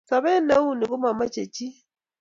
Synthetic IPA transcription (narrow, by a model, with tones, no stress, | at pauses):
sa˨βɛ˦na˦u˦ni˨ɣu˦ma˨ma˦t͡ʃe˨t͡ʃi˦